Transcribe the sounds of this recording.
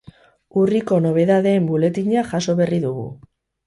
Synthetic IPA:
uriko̞no̞β̞e̞ðaðe̞ːmbule̞t̪iɲaʝaso̞βe̞riðuɣṵ

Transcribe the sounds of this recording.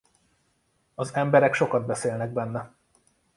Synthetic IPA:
ɒzɛmbɛɾɛkʃo̞kɒd̪̚bɛseːlnɛɡ̚bɛnːɛ

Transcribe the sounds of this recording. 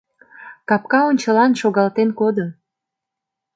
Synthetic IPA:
kɑp̚kɑonʲt͡ɕəlɑnʃoɣɑlt̪enkod̪o

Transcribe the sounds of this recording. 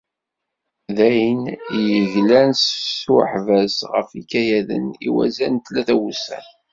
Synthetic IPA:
ðæjənjəʝlænssuħvæsʁə̰fikæjæðə̰nḭwæ̰zænt̪læθæwusæ̰n

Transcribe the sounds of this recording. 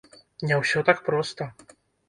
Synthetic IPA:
nʲɛwsʲɔt̪akpɾɔst̪ɐ

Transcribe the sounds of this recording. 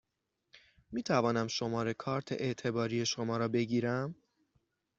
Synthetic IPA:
miːt̪ʰævɒːnæmʃo̞mɒːɾe̞kʰɒːɾt̪ʰḛʔeʔt̪ʰe̞bɒːɾiːje̞ʃo̞mɒːɾɒːbe̞ɟiːɾæm

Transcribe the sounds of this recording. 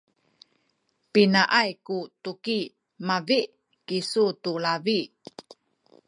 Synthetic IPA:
pinaʔajkutuki | maviʔ | kisutulavi

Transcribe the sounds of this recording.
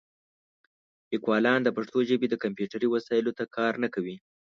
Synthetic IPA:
ɪkwɑlɑnd̪əpaʂt̪oʒəbed̪əkampjuʈaɾiwasɑjɪlot̪akʰɑɾnakawi

